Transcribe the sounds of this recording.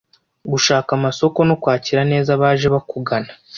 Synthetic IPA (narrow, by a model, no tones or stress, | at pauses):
ɡuʃaːkamaso̞ko̞nokwaːciɾane̞ːzaβaːʒe̞βakuɡanḁ